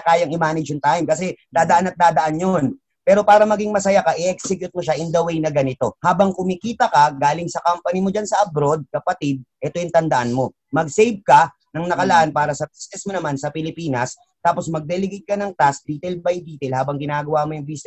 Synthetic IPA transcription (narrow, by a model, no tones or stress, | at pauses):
kaːjɐŋɪmaːnɪd͡ʒjʊnt̪aːjɪmkɐsɛd̪aːd̪ɐʔanɐt̪̚d̪aːd̪ɐʔanjon | pɛːɾo̞paːɾɐmɐɡiŋmɐsɐjakɐʔɪʔɛksɛkjʊt̪̚moʃaʔɪnd̪ɐwejnɐɡɐnɪt̪o̞haːbɐŋkʊmɪkiːt̪ɐkɐɡaːlɪŋsɐkampɐnɪmod͡ʒansɐʔɐbɾo̞d̪̚kɐpɐt̪ɪd̪̚ʔɛt̪o̞jʊŋt̪ɐnd̪ɐʔanmo̞ | mɐɡsejb̚kɐ | nɐŋnɐkɐlɐʔanpaːɾɐsɐbisnɛsmonɐmansɐpɪlɪpiːnɐs | t̪aːpo̞smɐɡ̚d̪ɛlɪɡet̪̚kɐnɐŋt̪as̚d̪iːt̪ɛlbɐjd̪iːt̪ɛlhaːbɐŋɡɪnaːɡɐwamojʊŋbisnɛ